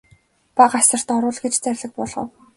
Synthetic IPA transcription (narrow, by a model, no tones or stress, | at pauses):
paɢasə̆r̥t̪ɔɾʊːɮɡet͡ɕt͡særʲɮɘ̆k̚pɔɮʁə̰̆w